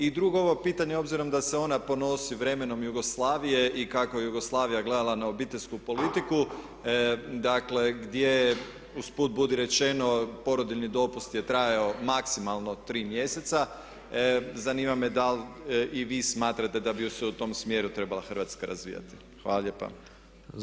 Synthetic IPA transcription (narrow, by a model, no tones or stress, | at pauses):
id̪ɾuɡooʋo̞piːt̪aɲeo̞bziɾo̞md̪ase̞o̞napo̞no̞siʋɾe̞me̞no̞mjuɡo̞slˠaːʋije̞ʔikako̞jejuɡo̞slˠaːʋijaɡle̞d̪alˠanaobiːt̪eʎʲskupo̞lit̪iku | d̪akle̞ɡd̪je | uspuːt̪̚bud̪iɾe̞t͡ʃe̞no̞po̞ɾo̞d̪iʎnid̪o̞pust̪je̞t̪ɾajaomaksimalˠno̞t̪ɾiːmje̞se̞t̪sa | zaniːmamed̪alʔiʋismaːt̪ɾat̪e̞d̪abiuseut̪o̞msmje̞ːɾut̪ɾe̞balˠaxr̩ʋat̪skaɾazʋḭːja̰t̪i̥ | xʋaːlaʎe̞pa̰